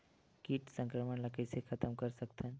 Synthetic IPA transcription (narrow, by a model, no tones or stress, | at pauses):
kiːʈsə̃ŋkɾəməɳlakəsekʰət̪əmkəɾsəkt̪ʰən